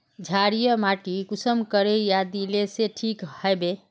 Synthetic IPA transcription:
d͡ʒʱaɾijəmaʈikusəmkəɾejad̪ileseʈʰikhəebe

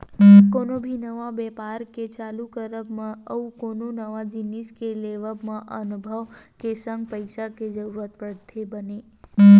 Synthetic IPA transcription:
konobʱinəʋabɛpaɾket͡ʃalukəɾəbmãəukononəʋad͡ʒiniskeleʋəbmãʔənubʱəʋkesəŋɡpəjʃaked͡ʒəɾuɾət̪̚pɾət̪ʰebəne

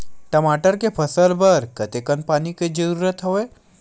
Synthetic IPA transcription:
ʈɐmaːʈəɾkepʰɐsəɾbəɾkɐt̪ekənpaːniked͡ʒəɾuːɾət̪ɦoʋe

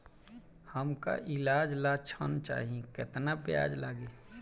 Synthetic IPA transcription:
həmka̰ʔɪlaːd͡ʒlaːt͡ʃʰənt͡ʃa̰ːɦiẽkɪt̪nabɪja̰ːd͡ʒlaːɡeː

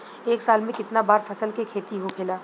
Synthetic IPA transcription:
eːksaːlmẽkɪt̪nabaːɾfɐsəlkekʰeːt̪iɦokʰɪlaː

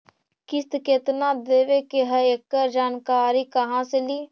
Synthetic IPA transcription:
kɪst̪ket̪nad̪eːʋekeɦəekːəɾd͡ʒaːnkaːɾikɐɦãseliː

